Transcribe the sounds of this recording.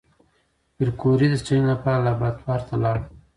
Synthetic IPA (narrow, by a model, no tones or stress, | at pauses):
bəɾkoɾid̪əsʈinlapɑlabat̪wɑɾt̪alɑɽ